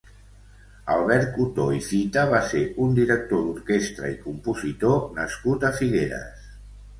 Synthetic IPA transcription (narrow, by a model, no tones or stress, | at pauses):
əlˠβɛɾt̪̚ut̪oifit̪əβ̞aseund̪iɾək̚t̪od̪uɾkest̪ɾə̰ikumpuzit̪onəskut̪əfiɣeɾə̰s